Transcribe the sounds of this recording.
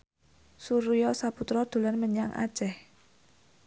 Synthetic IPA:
suɾjɔsaput̪ɾɔd̪̥o̤lanməɲaŋʔa̰̥t͡ʃɛh

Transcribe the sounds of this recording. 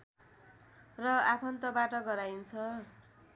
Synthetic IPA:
rʌapʰʌnt̪ʌbaʈʌɡʌɾajnt͡sʰʌ

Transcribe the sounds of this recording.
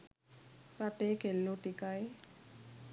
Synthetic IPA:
ɾaʈekelːoʈikaj

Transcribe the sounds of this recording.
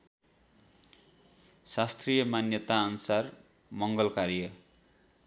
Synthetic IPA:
sast̪rijʌmanjʌt̪aʌnusar | mʌŋɡʌlkarjʌ

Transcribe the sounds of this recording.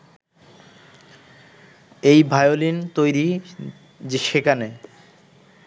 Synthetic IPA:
ejbʱajolint̪ojɾi | d͡ʑeʃekane

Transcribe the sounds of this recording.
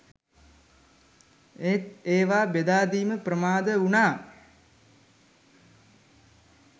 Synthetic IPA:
et̪eːʋaːbed̪aːd̪iːməprəmaːd̪əunaː

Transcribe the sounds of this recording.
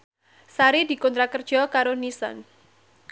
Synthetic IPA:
saɾidi̤kɔnt̪ɾakərd̥ʒ̥ɔkaɾonisɔ̰n

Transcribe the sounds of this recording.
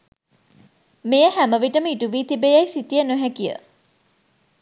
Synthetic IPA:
mejəhæməʋiʈəməiʈuʋiːt̪ibejajsit̪ijənoɦækijə̰

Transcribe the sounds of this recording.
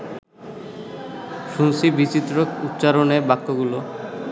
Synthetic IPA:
ʃunsibit͡ɕit̪ːɾokut̪ːɕaɾoneɾbakːoɡulo

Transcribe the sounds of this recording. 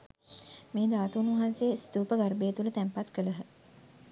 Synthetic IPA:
meːd̪aːt̪uunuʋɐɦanseːst̪uːpəɡarbeːt̪ulət̪æmpat̪kələɦə

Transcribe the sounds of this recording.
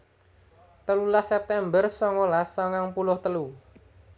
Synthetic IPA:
t̪əlulasɛp̚t̪ɛmbərsɔŋolasɔŋaŋpulʊht̪əlu

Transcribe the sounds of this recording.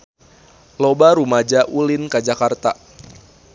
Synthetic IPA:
lobaɾumad͡ʒaʔulɪnkad͡ʒakart̪a̰

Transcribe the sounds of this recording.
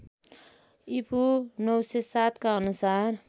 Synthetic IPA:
ipʰunʌwsesat̪kaʌnusar

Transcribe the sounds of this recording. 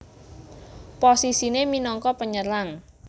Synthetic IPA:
posisineminɔŋkɔpəɲəlaŋ

